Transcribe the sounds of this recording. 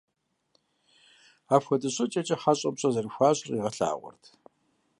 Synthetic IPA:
aːpxʷɔdɨɕʼɐt͡ʃʼɐt͡ʃʼɐħaɕʼɐbɕʼɐzɐrɨxʷaːɕʼriːʁɐɬa̰ːʁʷɔ̰rtʰ

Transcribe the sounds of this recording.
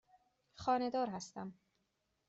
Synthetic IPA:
xɒːne̞d̪ɒːɾɦæst̪æm

